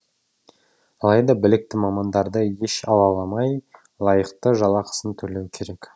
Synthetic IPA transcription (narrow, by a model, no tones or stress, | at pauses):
ɑlˠɑjd̪ɑbɪlɪk̚t̪ɪmɑmɑnd̪ɑɾd̪əje̞ʃɑ̰lˠɑlˠɑmɑj | lˠɑjəqt̪əʒɑlˠɑqʰə̥sənt̪ʰɵɾlewɪkʲʰe̞ɾe̞k